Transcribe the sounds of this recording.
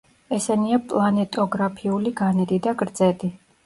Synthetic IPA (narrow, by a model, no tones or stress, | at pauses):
ɛsɛniapʼlˠanɛt̪ʼɔɡɾapʰiuliɡanɛd̪id̪aɡɾd̪zɛd̪i